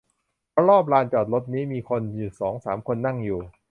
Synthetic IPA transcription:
pʰɔ˦˥ɾɔː˥˩p̚laː˧nt͡ɕɔː˨˩t̪̚lo˦˥t̪̚niː˦˥miː˧kʰo˧njuː˨˩sɔː˩˦ŋsaː˩˦mkʰo˧nːa˥˩ŋjuː˨˩

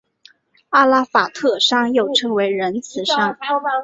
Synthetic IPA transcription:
a˥la˥fa˨˩t̪ʰɤ˥˩ʂɑ˥ŋjo˥˩ʊʈ͡ʂʰɤ˥ŋwe˧˥ɪɻə˧˥nt͡sʰɹ̩˧˥ʂɑ˥ŋ

